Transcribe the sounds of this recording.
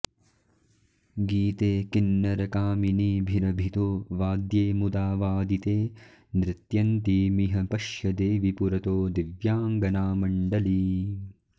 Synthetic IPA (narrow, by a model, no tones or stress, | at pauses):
ɡiːt̪eːkinːɐɾɐkaːminiːbʱiɾɐbʱit̪oːʋaːd̪jeːmud̪aːʋaːd̪it̪eː | nɾɪt̪jɐnt̪imiɦɐpɐʃjɐd̪eːʋipuɾɐt̪oːd̪iʋjaːŋɡɐnaːmɐɳɖɐli